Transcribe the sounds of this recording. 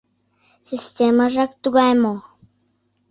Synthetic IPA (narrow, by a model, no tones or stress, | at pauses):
sʲisʲt̪ʲemaʒɑk̚t̪uɣɑjmo